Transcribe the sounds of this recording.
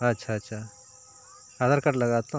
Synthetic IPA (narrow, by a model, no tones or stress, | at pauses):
ɐtːʃʰaɐtːʃʰa | ad̪əɾkɐʈlɐɡaːt̪õ